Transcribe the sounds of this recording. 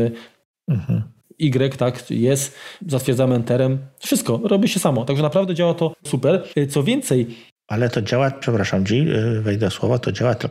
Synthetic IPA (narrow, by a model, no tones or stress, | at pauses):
ɘ | m̩hm̩iɡɾɛkt̪akjɛst̪zat̪fʲjɛɾd̪zamɛnt̪ɛɾɛmfʂɨst̪̚kɔɾɔbʲiɕɛsamɔt̪aɡʐɛnapɾavd̪ɛd͡ʑawat̪ɔsupɛɾt̪sɔvʲjɛnt̪sɛj | ʔalɛt̪ɔd͡ʑawapʂɛpɾaʂamt͡ɕivɛjd̪ɛswɔvɔt̪ɔd͡ʑawat̪